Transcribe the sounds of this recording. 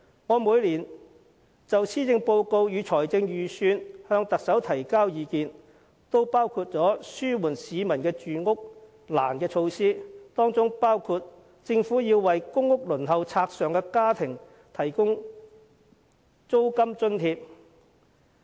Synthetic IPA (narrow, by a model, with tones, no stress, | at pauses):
ŋɔː˨˧muː˨˧jliː˨˩n | t͡sɐ˨wt͡sʰiː˥t͡sɪ˧ŋpo˧wko˧wjyː˨˧t͡sʰɔː˨˩jt͡sɪ˧ŋjyː˨syː˧nhœː˧ŋt̪ɐ˨k̚sɐ˨˥wt̪ʰɐ˨˩jkaː˥wjiː˨˧kiː˨˧n | t̪o˥wpaː˥wkʰuː˧t̚t͡sɔː˨˥syː˥wuː˨˩nsiː˨˧mɐ˨˩nkɛː˧t͡ʃyː˨ŋʊ˥k̚ | la̰ː˨˩nkɛː˧t͡ʃʰo˧wsiː˥t̪ɔː˥ŋt͡sʊ˥ŋpaː˥wkʰuː˧t̚ | t͡sɪ˧ŋfuː˨˥jiː˧wːɐ˨jkʊ˥ŋːʊ˥k̚lɵ˨˩nɦɐ˨wt͡sʰaː˧k̚sœː˨ŋkɛː˧kaː˥t̪ʰɪ˨˩ŋ | t̪ʰɐ˨˩jkʊ˥ŋ | t͡so˥wkɐ˥mt͡sɵ˥nt̪ʰiː˧p̚